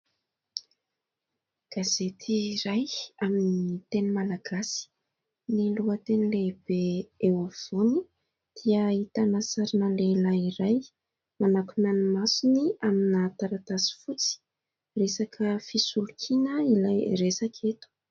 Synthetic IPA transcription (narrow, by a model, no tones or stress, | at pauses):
ɡ̥azet̪ʰiɾajaminiit̪enimalaɡasi̥ | niluət̪enileb̥eeofoni | d̪̥iəit̪anasaɾinəlelaiɾaj | manakunanimasuniaminat̪aɾat̪asi̥fut͡si̥ | resakʰəfisulukʰinəilajresakʰet̪u̥